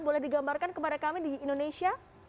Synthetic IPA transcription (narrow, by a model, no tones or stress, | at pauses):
bolɛhdiɡambarkankəpadakamidiːndonesia